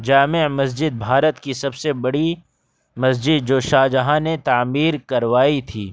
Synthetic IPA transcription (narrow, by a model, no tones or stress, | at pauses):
d͡ʒaːmɪmɐs̬d͡ʒɪd̪̚bʱaːɾət̪kisɐbsebɐɽi | mɐsd͡ʒɪd̪̚d͡ʒoːʃaːd͡ʒɐɦãnet̪aːmiːɾkɐɾʋaːit̪ʰiː